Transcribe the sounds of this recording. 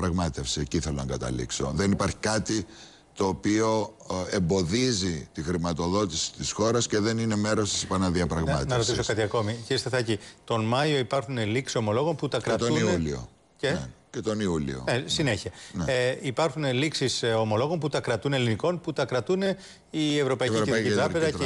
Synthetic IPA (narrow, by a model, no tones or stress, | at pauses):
ɐpɾɐɣmɐt̪efsieciθelonɐɡɐt̪ɐ̰lḭkso̞̰ðenipɐɾçi̥kɐt̪i | t̪o̞ːpio̞ | embo̞ðizit̪ixɾimɐt̪o̞ðo̞t̪isi̥t̪isxo̞ɾɐsce̞ðe̞nine̞me̞ɾo̞st̪i̥spɐnɐðiɐpɾɐɣmɐ̰t̪nɐɾo̞t̪iso̞kɐt̪iɐko̞miciɾist̪eθɐcit̪o̞nmɐjo̞ipɐɾxuneliksiso̞mo̞lo̞ɣo̞nput̪ɐkɾɐɐtt̪ouiulio̰ | ceecet̪o̞niulḭo̰esineçiɐneipɐɾxuneliksiso̞mo̞lo̞ɣo̞nput̪ɐkɾɐt̪une̞liniko̞nput̪ɐkɾɐt̪une | ie̞vɾo̞pɐiiɾiðɐiɾɐezɐ